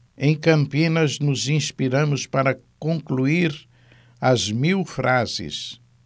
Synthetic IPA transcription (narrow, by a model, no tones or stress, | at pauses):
ẽj̃kɐ̃mpĩnɐznʊzĩspiɾɐ̃mʊspaɾɐkõŋkluiɾ | ɐzmiwfɾʔazɪ̰s